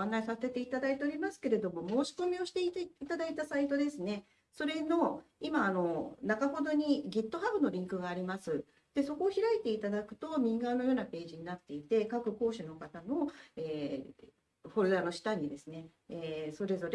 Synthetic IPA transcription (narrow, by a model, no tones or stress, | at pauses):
ãnːaisase̞t̪e̞it̪ad̪ait̪e̞oɾʲimasɨ̥ke̞ɾe̞d̪o̞mo̞mo̞ːɕi̥ko̞mʲio̞ɕi̥t̪eit̪eit̪ad̪ait̪asait̪o̞d̪e̞sɨne̞ | so̞ɾe̞no̞imaːno̞nakaɦo̞d̪o̞ɲ̟iɡʲit̪ːo̞ɦabɯ̟no̞ɾʲĩŋkɯ̟ɡaːɾʲimasɨ | d̪̥e̞so̞koːçiɾait̪e̞it̪ad̪akɯ̟̥t̪o̞mʲĩŋɡano̞jo̞ːnape̞ːʑiɲ̟inat̪ːe̞it̪e̞kakɯ̟ko̞ːɕɨno̞kat̪ano̞e̞ː | ɸo̞ɾɯ̟ɾano̞ɕi̥t̪aɲ̟id̪e̞sɨne̞ | eso̞ɾe̞zo̞ɾe